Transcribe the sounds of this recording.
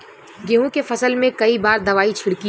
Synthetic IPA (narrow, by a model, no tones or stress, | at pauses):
ɡeɦõkefɐsəlmẽkɐibaːɾd̪ɐʋaːit͡ʃʰɪɽki